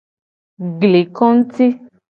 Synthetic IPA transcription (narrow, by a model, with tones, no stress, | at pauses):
ɡle˨kɔ̃˦n̩˦ti˦